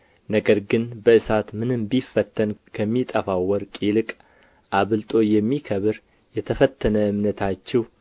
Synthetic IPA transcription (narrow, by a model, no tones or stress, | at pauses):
nəɡəɾɡɨnbəɨsat̪mɨnɨmbifət̪ʰːənkʰəmːit̪ʼəfawɔɾkʼilɨkʼ | ʔaβɨlt̪ʼo̞jɛmːikʰəβɨɾ | jɛt̪ʰəfət̪ʰːənəɨmnət̪ʰat͡ʃːɛw